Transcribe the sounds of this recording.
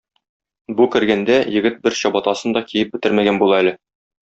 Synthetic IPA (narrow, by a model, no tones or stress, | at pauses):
bukɘ̆ɾɡænd̪æjɘ̆ɡɘt̪̚bɘɾɕɒbɑt̪ɑsɤnd̪ɒkijɘp̚bɘ̆t̪ɘɾmæɡænbulˠɑælɘ